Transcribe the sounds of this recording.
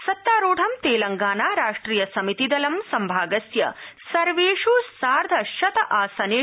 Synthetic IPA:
sɐt̪ːaːɾoːʈʰɐmt̪eːlɐŋɡaːnaːɾaːʂʈɾiːjɐsɐmit̪id̪ɐlɐmsɐmbʱaːɡɐsjɐ̰sɐɾʋeːʂusaːɾd̪ʱɐʃɐt̪ɐʔaːsɐneː

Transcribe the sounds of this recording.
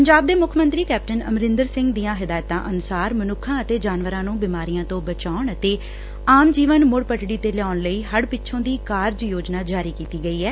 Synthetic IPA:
pəɲd͡ʒaːb̚d̪eːmʊkʰːmənt̪ɾiːkɛːp̚ʈənə̰mɾɪnd̪əɾsɪ̃ŋɡd̪iːãːɦɪd̪aːjt̪ã̰ːʔənʊsaːɾmənʊkʰːãːət̪eːd͡ʒaːnʋəɾãːnũːbɪmaːɾijãːt̪õːbət͡ʃaːʊɳət̪eː | aːmd͡ʒiːʋənmʊɽpəʈɽiːt̪eːlɛaːʊɳləiːɦəɽpɪt͡ʃʰʃʰõːd̪iːkaːɾd͡ʒjoːd͡ʒnaːd͡ʒaːɾiːkiːt̪iːɡəiːɛː

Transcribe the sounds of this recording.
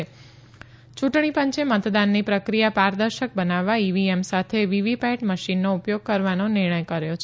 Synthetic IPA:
e | t͡ʃuʈɳ̃ipəɲt͡ʃemət̪d̪anːipɾəkɾijapaɾd̪əɾʃək̚bənaʋːaiʋiemsat̪ʰeʋiʋipɛʈməʃinːoupjoɡ̚kəɾʋanonɪɾɳ̃əjkəɾjot͡ʃʰ

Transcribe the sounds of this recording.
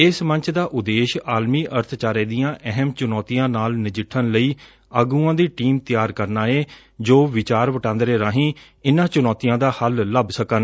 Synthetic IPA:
ɪsmə̃ɲt͡ʃʰd̪aːʔʊd̪eːʃaːlmiːʔəɾt̪ʰt͡ʃaːɾeːd̪ijãːʔɛɦəmt͡ʃʊnɔːt̪ijãːnaːlnɪd͡ʒɪʈʰːənləiː | əɡũːãːd̪iːʈiːmt̪ɪjaːɾkəɾnaːeː | d͡ʒoːʋɪt͡ʃaːɾʋəʈãːnd̪ɾeːɾaːɦĩː | ɪnãːt͡ʃʊnɔːt̪ijãːd̪aːhəlːəbsəkən

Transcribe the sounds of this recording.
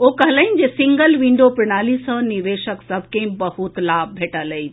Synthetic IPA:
oːkəɦləind͡ʑeːsiŋɡəlʋĩɳɖopɾɪñaːlisə̃niʋeːʃəksɐb̚ʱkẽĩbəhut̪laːb̚bʱeːʈələi

